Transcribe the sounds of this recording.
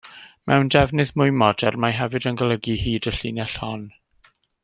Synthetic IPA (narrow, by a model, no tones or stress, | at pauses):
mʔɛwndɛvnɨðmʊjmɔdɛrmaɦɛvɨdənɡəlˠəɡihiːdəɬinɛɬhɔn